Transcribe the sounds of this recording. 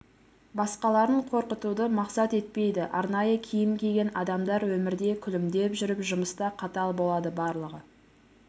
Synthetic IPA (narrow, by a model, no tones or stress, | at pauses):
bɑsqɑlˠɑɾəɴqʰo̞ɾqət̪ud̪əmɑqsɑt̪e̞t̪̚pe̞jd̪ɪʔɑɾnɑjəkʲʰijɪmkʲʰe̞ɡʲe̞nɑd̪ɑmd̪ɑɾwɵmɪɾd̪e̞kʲʰʏlɪmd̪e̞pʒʏɾɪpʒʊməst̪ɑqʰɑt̪ɑlˠbo̞lˠɑd̪əbɑɾlˠəʁə